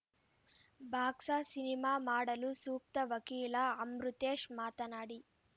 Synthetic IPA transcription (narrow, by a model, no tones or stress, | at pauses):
bʱaːksaːsinimaːmaːɽɐlusuːk̚t̪ɐʋɐkiːlɐɐmɾut̪eːʂmaːt̪ɐnaːɽi